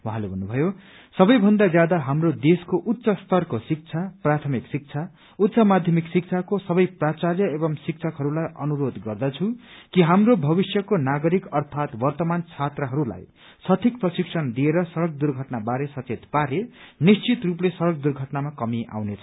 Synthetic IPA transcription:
waɦãlebʱʌnːubʱʌjo | sʌbʌjbʱʌnd̪ad͡zjad̪aɦamrod̪eskoʔut̪ːsʌst̪ʌrkosik̚t͡sʰaprat̪ʰʌmiksik̚t͡sʰa | ut̪ːsʌmad̪ʱjʌmiksik̚t͡sʰakosʌbʌjprat͡sarjʌebʌŋsik̚t͡sʰʌkɦʌɾulajʌnuɾod̪ɡʌrd̪ʌt͡sʰũkiɦamrobʱʌbisjʌkonaɡʌɾikʌrt̪ʰat̪bʌrt̪ʌmant͡sʰat̪rʌɦʌɾula̰j | sʌt̪ʰikprʌsiksʰʌnd̪ieɾʌsʌɾʌk̚d̪urɡʱʌʈnabaɾesʌt͡set̪paɾenist͡sit̪ruplesʌɾʌk̚d̪urɡʱʌʈnamakʌmiʔa̰wnet͡sʰʌ̥

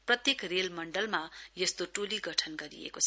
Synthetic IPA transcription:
prʌt̪jekrelmʌɳɖʌlmajʌst̪oʈoliɡʌʈʰʌnɡʌɾḭḛkot͡sʰ

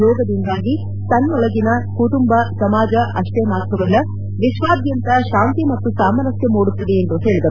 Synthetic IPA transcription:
jɔːɡɐd̪ind̪aːɡi | t̪ɐnːɔɭɐɡinɐkuʈumbɐsɐmaːd͡ʒɐʔɐʂʈemaːt̪ʰɐʋɐlɐ | ʋiʃʋaːd̪jɐnt̪ɐʃaːʋnt̪imɐt̪ːusaːmɐɾɐsjɐmoːɽut̪ːɐd̪eːnt̪ue̞ːɭid̪ɐ

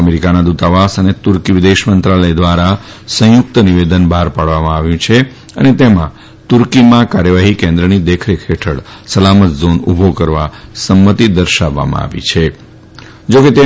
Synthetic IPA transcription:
əmeɾikanad̪ut̪aʋasənet̪uɾkiʋɪd̪eʃmənt̪ɾaləjd̪ʋaɾa | sə̃jʊk̚t̪əniʋed̪ənbʱaɾpaɽʋamãaʋjũt͡ʃʰe | ənet̪emã̰ | t̪uɾkimãkaɾjəʋaɦikẽnd̪ɾənid̪ekʰɾekʰeʈʰəɽ | səlamət̪zonubʱokəɾʋasəmːət̪id̪əɾʃaʋːa̰mã̰a̰ʋḭt͡ʃʰe | d͡ʒoket̪e

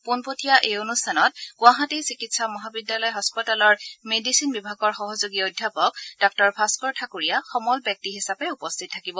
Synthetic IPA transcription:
punpotʰijaʔeonustʰanɔt̚ɡ̥ʊaɦatisikitsamɔɦabidjalɔjɦɔspɔtalɔɹmedisinbibʱaɡɔɹxɔɦɔzoɡiodʱjapɔk̚d̥ɔk̚tɔɹpʰaskɔɹtʰakuɹijaxɔmɔlbjɔk̚tiɦisapɛupɔstʰit̚tʰːakibɔ

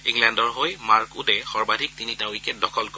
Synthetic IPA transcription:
iŋlɛndɔɹɦojmaɹkudɛxɔɹbadʱik̚tinitawikɛdɔkʰɔlko

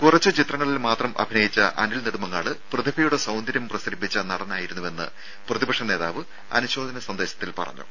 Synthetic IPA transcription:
kurɐt͡ɕːɨt͡ɕit̪rɐŋːɐɭilmaːt̪rɐmʔɐ̰bʱinɐjit͡ɕːɐ̰ʔɐ̰nilniɽumɐŋːa̰ːɭɨprɨd̪ibijuɽesɐwnd̪ɐɾjɐmprɐsɐɾipːit͡ɕːɐnɐɽɐnaːjiɾunːuʋe̞nːɨ̰ | prɐðibɐkʂɐne̞ːða̰ːʋɨ | ɐ̰nuɕo̞ːd̪ɐnɐsɐnd̪eːɕɐ̥t̪ːilpɐ̰rɐ̰ɲːṵ

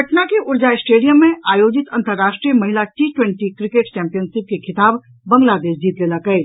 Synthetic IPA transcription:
ɐʈnakeʔʊɾd͡ʒaɪsʈeːɖijəmːẽʔaːjoːd͡ʒɪt̪ɐ̃nt̪əɾːaːʃʈɾijəmɐɦɪlat͡ʃiːʈwɛ̃ɳʈikɾɪkeːʈt͡ʃɛ̃ːmpijənsɪp̚kekʰɪt̪aːb | bɐ̃ŋɡlaːd̪eːʃd͡ʒiːt̪leːlakɐe

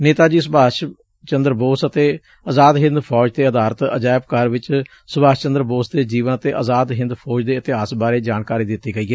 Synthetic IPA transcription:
neːt̪aːd͡ʒiːsʊbaːʃ | t͡ʃənd̪əɾboːsət̪eː | əzaːd̪ɦɪ̃nd̪pʰɔːd͡ʒd̪eːəd̪aːɾət̪ə̰d͡ʒaːɪb̚kəɾʋɪt͡ʃ | sʊbaːst͡ʃənd̪əɾboːsd̪eːd͡ʒiːʋənət̪eːʔəzaːd̪ɦɪ̃nd̪pʰɔːd͡ʒd̪eːɪt̪ɪɦaːsbaːɾeːd͡ʒaːɳkaːɾiːd̪ɪt̪ːeːɡəiːɡeː

